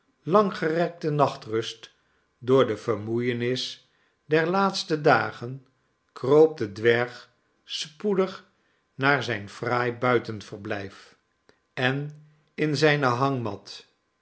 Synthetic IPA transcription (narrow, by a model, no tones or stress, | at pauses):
lɑŋχərɛk̚tənɑχtrɵst | dʊːɹdəv̥əɹmujənɪs | dɛɹlaːtstədaːχən | krowp̚dədʋɛɹχ | spudəχ | naːɹzɛjnfraːjbœɥtənv̥əɹblɛjf | ɛn | ɪnzɛjnəɦɑŋmɑ̰t